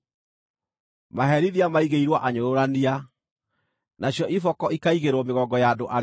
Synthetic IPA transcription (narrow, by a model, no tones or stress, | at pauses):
maɦɛɾiðiamaiɣeiɾwaʔaɲoɾoɾania | naɕjɔʔifɔkɔikaiɣeɾwɔmeɣɔɡɔjaːdoʔa